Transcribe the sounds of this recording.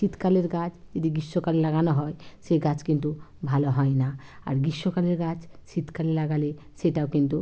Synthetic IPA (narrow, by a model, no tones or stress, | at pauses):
sit̪kaleɾɡad͡ʒd͡ʒed̪iɡiʃːɔkalelaɡanɔɦɔjseɡat͡ʃkint̪ubʱalɔɦɔjna | a̰ɾɡiʃːɔkaleɾɡad͡ʒsit̪ʰkalelaɡale | seʈawkint̪u